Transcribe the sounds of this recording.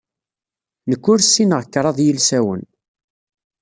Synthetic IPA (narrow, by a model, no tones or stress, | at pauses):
nəkːʊɾsːinəʁkːɾˤɑðˤjəlsæwə̰n